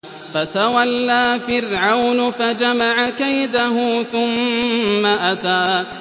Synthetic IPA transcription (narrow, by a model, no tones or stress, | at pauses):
fat̪awalːaːfɪrʕawnfad͡ʒamaʕakajd̪aɦʊθʊmː | aʔat̪aː